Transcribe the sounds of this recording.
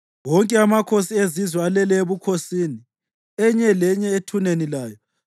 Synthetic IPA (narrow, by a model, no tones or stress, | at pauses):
wɔŋkʼɛamakʰosiezizwɛalɛlɛeβukʰosiːni | ɛɲɛlɛɲɛetʰunenilaːjɔ